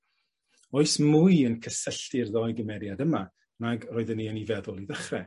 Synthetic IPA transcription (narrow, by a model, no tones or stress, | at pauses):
oɨsmʊɨənkʰəsəɬtɪrðɔɨɡəmɛɾjadəma | naɡrɔːɨðənːiənivɛðʊlˠiðəχrɛ